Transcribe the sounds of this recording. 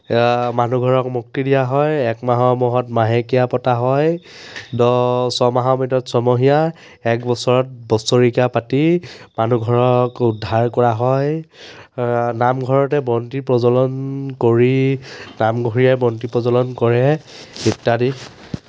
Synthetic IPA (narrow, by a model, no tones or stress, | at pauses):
manuɡʱɔɹɔkmuk̚tidijaɦɔjɛkmaɦɔmɔɦɔtmaɦekijapɔtaɦɔjdɔsɔmaɦɔmitɔtsɔmɔɦija | ɛkbɔsɔɹɔt̚bɔsɔɹikapatimanuɡʱɔɹɔkʊdʱaɹkɔɹaɦɔj | namɡʱɔɹɔtɛbɹɔntipɹɔzɔlɔnkoɹinamɡʱɔɹijajbɔntipɹɔzɔlɔnkɔɹɛitːadi